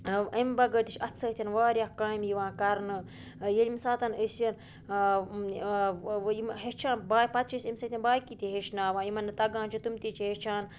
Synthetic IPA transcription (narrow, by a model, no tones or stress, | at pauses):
əmbɐɡət̪it͡ʃʰʲɐt̪ʰsɐːt̪ʰʲɐnʋaːɾʲaːkãːimjiʋãːkɐɾnɨ | jelimsaːt̪ɐnəsjɐn | imɦet͡ʃʰãːnbaːjpɐt̪̚t͡ʃʰisimsɐt̪ʰʲinbaːjkit̪ʲiɦeʃnaːʋãːimɐnːɨt̪ɐɡãːnt͡ʃʰit̪umt̪it͡ʃʰiɦet͡ʃʰaːn